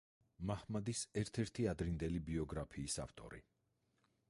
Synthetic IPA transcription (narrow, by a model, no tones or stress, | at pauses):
mahmad̪isɛɾt̪ʰɛɾt̪ʰiad̪ɾind̪ɛlibiɔɡɾapʰiːsa̰ft̪ʼɔ̰ɾḭ